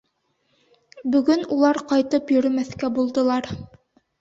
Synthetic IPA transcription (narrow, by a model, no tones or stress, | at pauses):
bɵ̆ɡɵnulˠɑɾqɑjt̪ɤpjɵ̆ɾɵmæθkæbulˠd̪ɤ̆lˠɑɾ